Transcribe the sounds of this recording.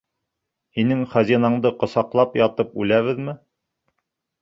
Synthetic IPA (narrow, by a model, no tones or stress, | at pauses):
hinɘŋχæzinɑɴd̪ɤqŏsɑqlˠɑpjɑt̪ɤpʉlæβɘðmɘ